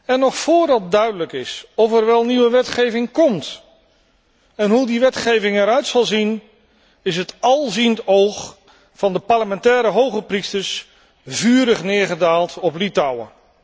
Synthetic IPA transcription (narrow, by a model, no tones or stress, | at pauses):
ɛnːɔχfʊːɹdɑt̚dœɥdələkɪsɔfɛɹʋɛlˠniʋəʋɛtχejvɪŋkɔmt | ɛnɦudiʋɛtχejvɪŋɛɾœɥtsɑlˠzin | ɪsɦətɑlˠzintowχ | fɑndəpaɹləmɛntɛːɾəɦowχəpristəɹs | vyːɾəχnɪːɹχədaːlˠtɔplitɑwə̰